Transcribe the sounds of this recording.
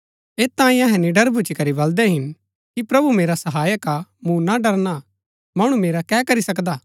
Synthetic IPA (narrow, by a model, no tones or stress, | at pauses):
eːt̪ːãːĩɐɦɛ̃niɖɐɾbʱʊt͡ʃikɐɾibɐld̪ɛɦɪn | kipɾɐbumeːɾasɐɦaːjəkamũnaɖɐɾna | mɐɽ̃umeːɾakɛːkɐɾisɐkd̪aː